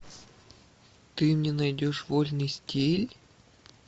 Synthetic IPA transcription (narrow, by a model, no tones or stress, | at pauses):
t̪ɨmnʲenɐjdʲoʂvolʲnɨjsʲtʲelʲ